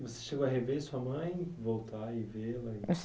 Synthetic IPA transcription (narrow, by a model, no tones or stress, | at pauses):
vose̥ʃeɡowɐɦevesuɐmɐ̃j̃vowt̪aɪvelɐɪs